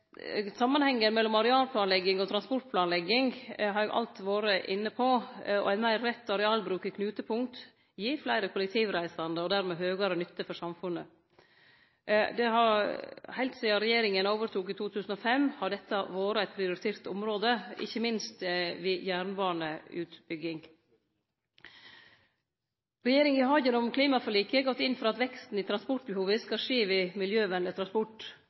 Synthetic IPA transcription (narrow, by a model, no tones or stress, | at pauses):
sɑmːɑnhɛŋːənmɛlːɔmɑɾɛɑːlpʰlɑːnlɛɡɪŋɔt̪ʰɾɑnspɔʈ̚pʰlɑːnlɛɡːɪŋɦɑɾjɛɡʔɑ̰lt̪ʋoːɾəʔɪnːəpʰɔɔ̰æɪnmæɪɾːɛt̪ːɑɾɛɑːlbɾʉːkɪkʰnʉːt̪əpʰʊŋkt̪ | jiːflæɪɾəkʰʊləkt̪ʰiːʋɾæɪsɑnd̪əɔd̪æɾmeːɦøːɡɑɾənʏt̪ːəfɔʂɑmfʉnːə | d̪ɛhɑɾhæɛɪlt̪sɛːɑɾɛjeːɾɪŋənoːʋəɾʈ̪ʰuːkiːt̪ʰuːt̪ʰʉːsn̩ɔfɛmhɑɖɛt̪ːɑʋoːɾəæɪt̪pʰɾɪʊɾɪt̪ʰeːɾt̪ʊ̰mɾoːd̪əɪ̰çːəmɪnst̪ʋɪjæːɾɳbɑːɳəʉːt̪bʏɡɪŋ | ɾɛjeːɾɪŋɪhɑːɡənɔmkʰliːmɑfɔɭiːkəɡɔt̪ːɪnːfɔɾɑt̪ʋɛkst̪n̩iːt̪ʰɾɑnspɔʈ̚bəhuːʋəskɑʂeːʋɪmɪljøːʋɛnlət̪ʰɾɑnspɔʈː